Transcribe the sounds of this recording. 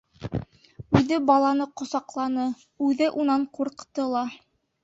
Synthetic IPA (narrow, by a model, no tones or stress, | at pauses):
ʉðɘbɑlˠɑnɤqŏsɑqlˠɑnɤ | ʉðɘʔunɑɴquɾqt̪ɤlˠɑ